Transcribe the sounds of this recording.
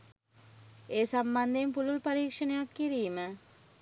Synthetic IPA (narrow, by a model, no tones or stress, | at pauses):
eːsamband̪empululpaɾiːkʂənejakːiɾiːmə